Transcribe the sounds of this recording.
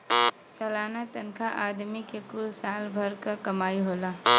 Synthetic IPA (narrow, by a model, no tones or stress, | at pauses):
sɐlaːnat̪ənkʰaʔaːd̪mikekʊlsaːlbʱɐɾkakɐmaːiɦoːlaː